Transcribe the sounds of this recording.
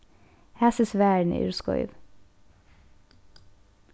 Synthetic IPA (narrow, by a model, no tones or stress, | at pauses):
hæːsɪsʋæːɳ̩ʏ̰ɹskɔ̰ʏʋ